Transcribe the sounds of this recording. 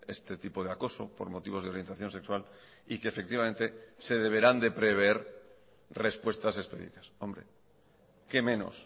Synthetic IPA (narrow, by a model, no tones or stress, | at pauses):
e̞̰st̪e̞t̪ipoð̞eako̞so̞po̞̰ɾmo̞t̪iβ̞o̞zðeo̞ɾje̞nt̪aθjo̞nse̞kswal | ike̞ːfe̞k̚t̪iβamẽ̞nt̪e̞se̞ð̞e̞β̞e̞ɾand̪e̞pɾe̞β̞eeɾ | re̞spwe̞st̪ase̞spḛðḭkaso̞mbɾe̞̰ | ke̞mẽ̞no̞̰s